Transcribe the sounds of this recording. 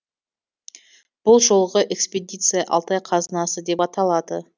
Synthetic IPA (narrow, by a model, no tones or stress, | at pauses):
b̥ʊlˠʒo̞lˠəʁəʔe̞kspʲed̪ʲit̪sɨjɑʔɑ̰lˠt̪ɑjqʰɑzənɑsəd̪e̞pɑt̪ɑlˠɑd̪ə